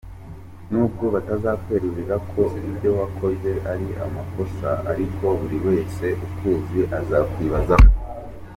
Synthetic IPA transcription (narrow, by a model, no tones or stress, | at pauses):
nukuβatazakwe̞ːɾeβiɾakʰo̞iβiβɟo̞wakʰo̞ze̞ʔaɾia̰mako̞sa̰a̰ɾiko̞βuɾiwe̞ːse̞ʔukuːziʔazakwiːβazako